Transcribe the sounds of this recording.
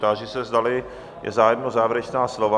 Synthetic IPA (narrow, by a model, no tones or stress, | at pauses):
t̪aːʒɪsɛzd̪alɪ | jɛ̰zaːjmnozaːvɪɾɛt͡ʃnaːslova